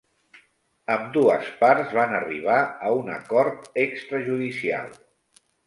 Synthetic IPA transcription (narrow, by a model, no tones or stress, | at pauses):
əmd̪uəspaɾzβanəriβ̞aəunə̰kɔɾt̪ekst̪ɾəʒuðisia̰lˠ